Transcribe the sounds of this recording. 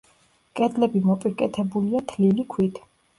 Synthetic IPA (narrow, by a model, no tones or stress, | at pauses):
kʼɛd̪lɛbimɔpʼikʼɛt̪ʰɛbuliat̪ʰlilikʰwit̪ʰ